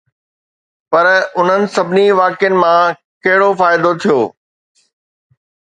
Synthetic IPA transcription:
pɐɾʊn̤ənɪ̆sɐbʱɪniʋaːkjənɪ̆mã | kɐɦɪɽofaːɪd̪ot̪ʰijoː

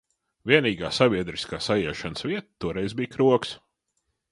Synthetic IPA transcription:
vʲiɛniːɡaːsavʲiɛd̪ɾiskaːsajɛːʃanəsviɛt̪̚t̪ːuɔɾɛjzbijkɾuɔks

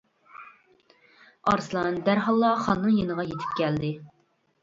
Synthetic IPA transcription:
ɑ̰ɾslˠɑnd̪æɾɦɑlˠːɑχɑnːɨŋjenəʁɑjet̪ʰɪ̥p̚kʲɛld̪ɪ

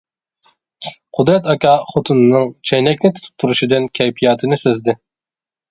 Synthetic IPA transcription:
qʰʊd̪ɾɛt̪ɑkʲɑːχot̪ʰunɨnɨŋt͡ʃʰɛjnɛkʲnɪt̪ʰu̥t̪ʰu̥p̚t̪ʰuɾuʃid̪ɨnkʲʰɛjpʰijɑːt̪ʰɨnɪsøzd̪ɪ

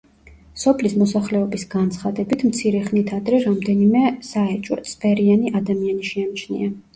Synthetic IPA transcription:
sɔpʰlismɔsaχlɛɔbisɡant̪sʰχad̪ɛbit̪ʰmt̪sʰiɾɛχnit̪ʰad̪ɾɛɾamd̪ɛnimɛsaɛt͡ʃʼwɔ̰t̪sʰʼbɛɾianiʔad̪amianiʃianit͡ʃʰnḭa

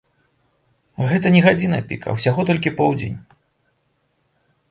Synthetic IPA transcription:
ɣɛt̪ɐnʲɛɣad͡zʲinɐ̰pʲḭkɐ̰wsʲaɣɔt̪ɔlʲkʲipɔwd͡zʲḛnʲ

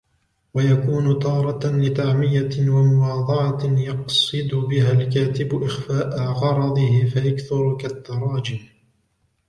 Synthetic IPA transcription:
wajakuːnʊt̪ɑːɾˤɑlɪt̪aʕmɪjawamʊwɑːd̪ˤɑʕɑjɑqsˤɨd̪ʊbɪɦaːlkaːt̪ɪbʊʔɪxfaːʔaɣɑɾˤɑd̪ˤɨhɪfajakθʊɾkat̪ːɑɾˤɑːd͡ʒɪm

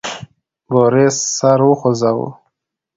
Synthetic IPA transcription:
boɾesːaɾwəxozawṵ

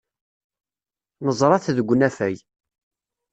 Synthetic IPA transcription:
nəzˤɾˤɑθðəɡʷːnæfæj

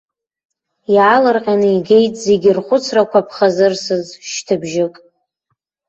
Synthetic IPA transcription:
iʕalarqʲʼanɨiɡe̞jtʼze̞ɡʲɪrχʷʊt͡sʰrakʷʰapʰχazɨrsɨzʃtʰɨbʒɪkʼ

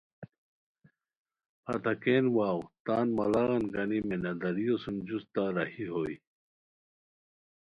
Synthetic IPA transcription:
pʰɐ̰t̪ɐkeːnwaːwt̪aːnmɐlaɣɐnkɐnimenɐd̪ɐɾijosumd͡ʑust̪aɾɐhiɦoːj

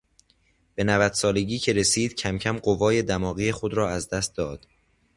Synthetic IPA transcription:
b̥e̞nævæd̪̥sɒːle̞ɟiːcʰe̞ɾe̞siːd̪̥cʰæmcʰæmɢovɒːje̞d̪æmɒːɣiːe̞xo̞d̪ɾɒːæzd̪æst̪̚d̪ɒːd̪̥

